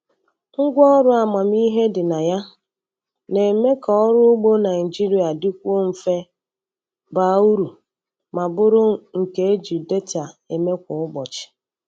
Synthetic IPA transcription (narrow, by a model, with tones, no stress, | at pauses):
ŋ̩˦ɡʷɔ˦ɾʊ˦a˨ma˨m˦i˦ɦe˦dɪ˨na˨ja˦ | ne˨me˦kɔ˨ɔ˦ɾʊ˦ʊ˦ɡ͡bo˦na˨ɪ˨d͡ʒi˦ɾi˨a˨dɪ˦kʷo˦m̩˨fe˦ | ba˦u˦ɾu˨ | ma˨bʊ˦ɾʊ˦ŋ̩˨ke˨e˦d͡ʒi˨de˦ta˨e˨me˦kʷʊ˨ʊ˦ɡ͡bɔ˨t͡ʃɪ̥˨